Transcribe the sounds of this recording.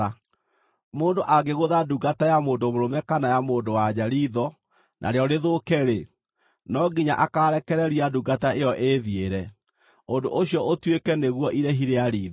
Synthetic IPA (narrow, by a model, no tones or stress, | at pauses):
moːndoʔaɡeɣoðaduɡatajamoːndomoɾomɛkanajamoːndowad͡ʑaɾiːðɔ | nʔa̰ɾeɔɾeðokɛɾe | nɔɡiɲaʔakaɾɛkɛɾɛɾiaduɡataejɔʔeðieɾɛ | ondoʔoɕjɔotwekɛneɣwɔʔiɾɛɦiɾeaɾiːð